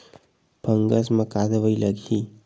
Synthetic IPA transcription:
b̥ʱəŋɡəsmə̃kad̪ʋəiləɡʱi

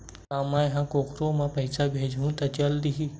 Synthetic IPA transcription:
kãːmãjɦãkoːkʰɾõmãpɐɪsabʱeːd͡ʒʱũt̪ɐt͡ʃɐld̪iɦi

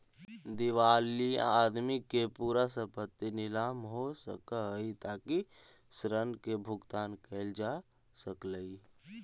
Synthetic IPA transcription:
d̪iʋaːlia̰ːd̪mikepuːɾasə̃pət̪ːinɪlaːmɦosə̰kaɦit̪aːki | sɾənkebʱʊɡt̪aːnkeːld͡ʒaː | səkləi

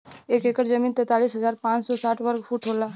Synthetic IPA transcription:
ekekəɾd͡ʒəmiːnt̪ɛːt̪aliːsɦəzaːɾpãːt͡ʃsɔsaːʈʰwəɾɡpʰuʈʰɦola

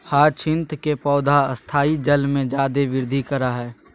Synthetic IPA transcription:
haːt͡ʃʰɪ̃nt̪kepɔːd̪ʱaəst̪ʰaːid͡ʒəlmẽd͡ʒaːd̪eʋɪɾd̪ʱikəɾaɦɛː

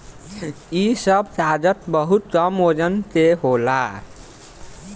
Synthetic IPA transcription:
isəbsad͡ʒət̪bəɦut̪̚kʌmod͡ʒənseɦola

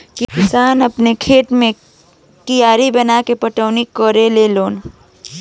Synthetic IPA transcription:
kɪkɪsaːnɐpnekʰeːʈmẽ | kijaːɾibɐnakepɐʈəːnikɔɾeleloːn

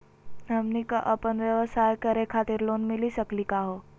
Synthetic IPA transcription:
ɦɐmnikaʔɐpənʋjəʋəsaːjkɐɾekʰaːt̪ɪɾloːnmɪ̃lisɐklikaɦoː

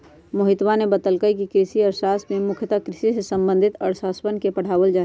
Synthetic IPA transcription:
mʊɦɪt̪wanebət̪əlkəikikɾɪsiɔɾsasmẽmʊkʰjət̪akɾɪsisesə̃mbə̃nd̪ʱit̪ɔːɾsaːsbənkepəɽ̤aːʋəld͡ʒaː

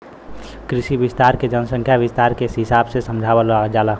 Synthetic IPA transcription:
kɾiʃibɪst̪aɾked͡ʒənəsə̃ŋkʰjaʋɪst̪aɾkeɦɪsaːbsesəmd͡ʒʱawalad͡ʒaːla

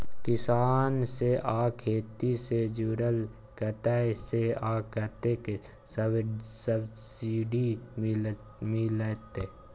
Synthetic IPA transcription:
kɪsaːnseʔaːkʰeːt̪ised͡ʒuːɾəl | kɐt̪aeseaːkət̪eke | ssəbsiːɖi | milet̪e

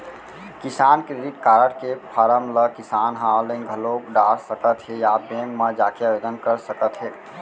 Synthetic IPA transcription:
kisankɾeɖiʈkaɾəʈkepʰəɾəmləkisanɦãlẽnɡʱəlokɖaɾsəkət̪ɦejabẽŋɡməd͡ʒakeabed̪ənkəɾsəkət̪ɦe

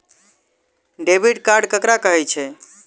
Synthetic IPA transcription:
ɖebiʈkaɾɖkəkɾakəɦɛt͡ʃʰɛ

